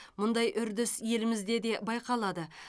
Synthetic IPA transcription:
mʊnd̪ɑjʔʏɾd̪ɪsje̞lɪmɪzd̪e̞d̪e̞bɑjqɑlˠɑd̪ə

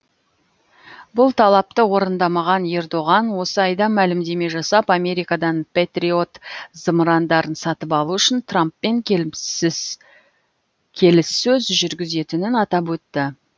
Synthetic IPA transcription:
bʊlˠt̪ʰɑlˠɑp̚t̪əwo̞ɾənd̪ɑmɑʁɑne̞rd̪o̞ʁɑnwo̞səɑjd̪ɑmælɪmd̪e̞me̞ʒɑsɑpɑme̞ɾijkɑd̪ɑnpʲet̪rio̞t̪z̥əmɾɑnd̪ɑɾənsɑt̪əpɑlˠuʏʃɪnt̪ʰrampːe̞ŋ | kʲʰe̞lɪsɵzʒʏɾɡʲɪze̞t̪ɪnɪnɑt̪ɑpwɵt̪ːɪ

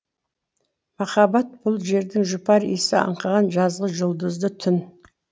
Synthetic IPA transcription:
mɑχɑbɑt̪̚b̥ʊlˠʒe̞ɾd̪ɪŋʒʊpɑɾḭsɪɑ̰ɴqɑʁɑnʒɑzʁəʒʊlˠd̪əzd̪ət̪ʰʏn

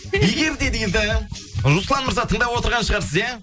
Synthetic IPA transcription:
jeɡʲe̞ɾd̪e̞d̪ejld̪ɪɾuslˠɑnməɾzɑt̪ʰəɴd̪ɑpwo̞t̪əɾʁɑnʃəʁɑɾsəzjæ

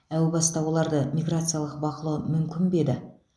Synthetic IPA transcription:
æwɪbɑst̪ɑwo̞lˠɑɾd̪əmʲijɡrat̪sɨjalˠəq̚bɑqəlˠuwəmʏmkʲɪnbe̞d̪ɪ

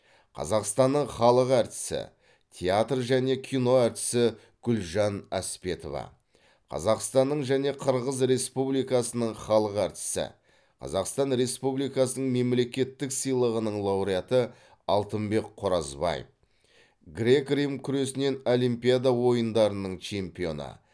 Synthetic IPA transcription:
qʰɑ̰zɑqst̪ɑnːəɴχɑlˠəqæɾt̪ɪ̥sɪ̰ | t̪ʲʰeat̪rʒæne̞kʲʰino̞æɾt̪ɪ̥sɪ | ɡ̥ʏlʒɑnæ̰spe̞t̪o̰vɑ̰ | qʰɑ̰zɑqst̪ɑnːəɴʒæne̞qʰəɾʁəzɾe̞spublijkɑsənəɴχɑlˠəqæɾt̪ɪ̥sɪ̰ | qʰɑ̰zɑqst̪ɑnɾe̞spublijkɑsənəɴme̞mle̞kʲe̞t̪ːɪksəjlˠəʁənəɴlˠɑwɾijat̪ə | ɑlˠt̪əmbe̞kqʰːʊɾɑzbɑ̰jə̰f | ɡɾʲe̞krimkʲʰʏɾe̞sɪne̞no̞limpʲijad̪awo̞jənd̪ɑɾənəɴt͡ʃʰe̞mpijo̞̰nə̰

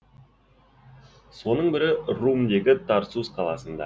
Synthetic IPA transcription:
so̞nəɴbɪɾɪrumd̪e̞ɡʲɪt̪ʰɑɾsusqʰɑlˠɑ̰sənd̪ɑ̰

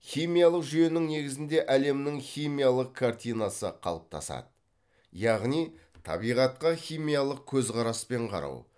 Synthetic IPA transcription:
χʲijmijalˠəqʒʏje̞nɪŋne̞ɡʲɪzɪnd̪e̞ʔæle̞mnɪŋχʲijmijalˠəq̚kʰart̪ijnasə̰qʰɑ̰lˠəp̚t̪ʰɑ̰sɑ̰d̪ə | jɑʁnij | t̪ʰɑ̰bijʁɑt̪̚qɑχʲijmijalˠəq̚kʲʰɵzqɑɾɑspe̞ɴqʰɑ̰ɾɑ̰w

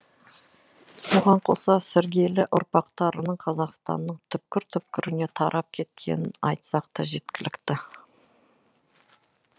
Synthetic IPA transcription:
soʁɑɴqʰo̞sɑsɪɾɡʲe̞lɪʔʊɾpɑqt̪ɑɾənəɴqʰɑzɑʁst̪ɑ̰nːəɴt̪ʰʏp̚kʲɪɾt̪ʰʏp̚kʲɪɾɪne̞t̪ʰɑɾʔɑp̚kʲʰe̞t̪̚kʲʰe̞̰nɪnɑ̰jt̪sɑq̚t̪ɑʒe̞t̪kʲɪlɪkt̪ɪ

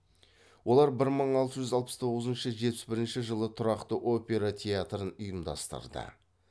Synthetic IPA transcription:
wo̞lˠɑɾbɪɾməɴɑlˠt̪əʒʏzɑlˠpə̥st̪ʰo̞ʁəzənʃəʒet̪pɪ̥sbɪɾɪnʃɪʒəlˠət̪ʰʊɾɑqt̪əʔo̞pʲe̞ɾat̪ʲʰeat̪ɾənʊjəmd̪ɑ̰st̪ə̰ɾd̪ə̰

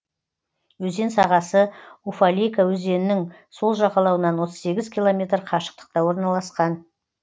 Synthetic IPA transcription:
wɵze̞nsɑʁɑsəufalʲijkawɵze̞nɪnɪŋ | so̞lˠʒɑqɑlˠɑwənɑnwo̞t̪ʰəzse̞ɡʲɪzkʲilˠo̞mʲe̞t̪ɾqʰɑʃə̥q̚t̪ə̥q̚t̪ɑwo̞ɾnɑlˠɑsqɑn

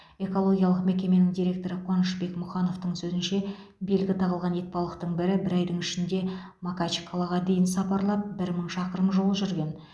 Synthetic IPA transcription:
e̞ko̞lˠo̞ɡʲijɑlˠəqme̞kʲe̞me̞nɪŋd̪ijɾʲe̞k̚t̪o̞ɾəqʰwɑnəʃbe̞kmʊχɑno̞ft̪əɴsɵzɪnʃe̞be̞lɡʲɪt̪ʰɑʁəlˠʁɑne̞t̪̚pɑlˠəqt̪əɴbɪɾɪbɪɾɑjd̪əɴɪʃɪnd̪e̞ | makat͡ʃi̥kʰolˠɑʁɑd̪e̞jɪnsɑpɑɾlˠɑp̚bɪɾməɴʃɑqəɾəmʒo̞lˠəʒʏɾɡʲe̞n

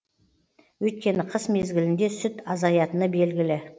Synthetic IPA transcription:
wɵjt̪̚kʲe̞nɪqʰəsme̞zɡʲɪlɪnd̪e̞sʏt̪ɑzɑjɑt̪ənəbe̞lɡʲɪlɪ

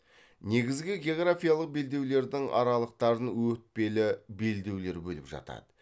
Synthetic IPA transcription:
ne̞ɡʲɪzɡʲɪɡʲeoɡɾafijalˠəq̚be̞ld̪e̞wle̞ɾd̪ɪŋʔɑ̰ɾɑlˠəq̚t̪ɑɾənwɵt̪̚pe̞lɪbe̞ld̪e̞wle̞ɾbɵlɪpʒɑ̰t̪ɑ̰d̪̥ə

